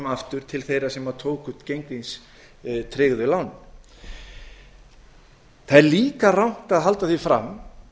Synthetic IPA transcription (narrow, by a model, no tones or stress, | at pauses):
maft̪ʏɾ̥t̪ʰɪlθejɾasɛmaɾt̪ʰoːwkʏ̥t̪cejŋkvins | t̪ʰɾɪɣðʏlawn | θaðɛɾliːkarawŋ̥t̪aðɦalt̪aθifɾam